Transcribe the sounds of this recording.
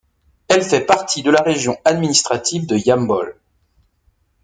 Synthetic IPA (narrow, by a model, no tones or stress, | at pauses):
ɛlfɛpaʁt̪ʰid̪əlaʁeʒjɔ̃ad̪minist̪χat̪ivd̪əjambɔl